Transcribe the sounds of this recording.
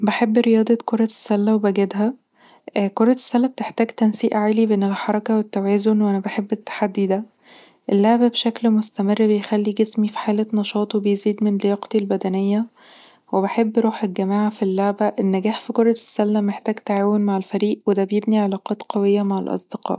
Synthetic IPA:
beħebːɾejɑːd̪ˤɑkoɾˤɑsːælːæwebæɡæd̪ɦæ | koɾˤɑ̥sːælːæb̚t̪eħt̪æːɡt̪ænsiːʔʕaːlibeːnelħɑɾˤɑkɑwet̪ːæwæːzonwʔænæbaħebːet̪ːḁħad̪ːid̪æ | ʔelːaʕbæbeʃæklmost̪æmerːbejxælːiɡesmifi̥ħaːlænɑʃɑːt̪ˤwebejziːd̪menlejɑqt̪ilbæd̪ænejːæ | webeħebːɾuːħelɡæmaːʕafilːaʕbæʔenːæɡæːħfikoɾˤɑsːælːæmeħt̪æːɡt̪aʕaːwonmaʕelfæɾiːʔwed̪æbejebniʕelɑːqɑːt̪qɑwejːæmaʕalʔɑ̰sˤd̪̥eqɑ̰ːʔ

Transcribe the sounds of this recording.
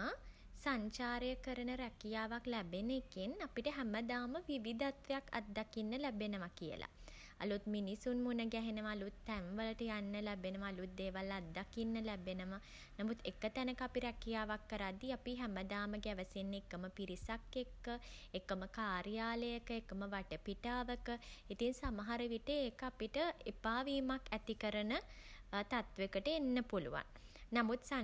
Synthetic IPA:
a | saɲt͡ʃaːɾəjəkəɾənəɾɛkijaːʋaklɛbenekinapiʈəɦæməd̪aːməʋiʋid̪at̪ʋejakːa̰t̪̚d̪akinːəlæbenəʋakijə̰la̰ | a̰lut̪̚minisunmunəɡæɦenəʋaːlut̪ːæmʋələʈəjanːəlæbenəʋaːlut̪̚d̪eːʋalːat̪̚d̪akinːəlæbenəʋa | namut̪ekːət̪ænəkapiɾɛkijaːʋakːəɾad̪ːiapiɦæməd̪aːməɡæʋəsenːekːəməpiɾisakːekːəekːəməkaːɾijaːləjəkəekːəməʋaʈəpiʈaːʋəkəit̪iŋsamɐɦaɾəʋiʈeeːkəapiʈəepaːʋiːmakʰːæt̪ikəɾənət̪at̪ʋekəʈəenːəpulṵʋa̰nnamut̪sa

